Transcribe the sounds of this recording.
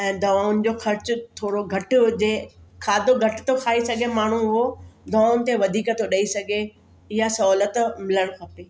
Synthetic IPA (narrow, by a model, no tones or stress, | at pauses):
ɛ̃ːd̪ɐʋaːʊnd͡ʑoːxɐɾt͡ɕʊ̆t̪ʰoːɽoɡʱɐʈʊd͡ʑeːkʰaːd̪ʱoɡʱɐʈɪ̥̆t̪ʰokʰaːisɐɡʱemaːɳ̤uɦʊɦod̪ɐʋːaːʊnt̪eʋɐd̪ʱiːkt̪ʰoɗɐisɐɡʱe | ɪɦasɐɔːlət̪mɪləɽ̃kʰɐpeː